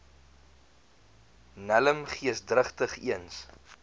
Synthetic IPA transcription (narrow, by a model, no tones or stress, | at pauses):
næləmχiəsdrəχtəχiəns